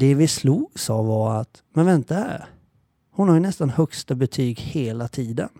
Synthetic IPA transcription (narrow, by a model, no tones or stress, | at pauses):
d̪̥ɛvɪsluːɡsɑːvɑɾat̪ | mɛnvɛnt̪ahæ̰ɾ | hʊnhaɾjɵnɛst̪anhœkst̪abɛt̪ʰyːɡheːlat̪ʰiːd̪ə̰n